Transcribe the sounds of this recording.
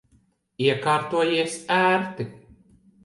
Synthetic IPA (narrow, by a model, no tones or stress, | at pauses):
iɛkaːɾt̪uɔjiɛsæːɾt̪i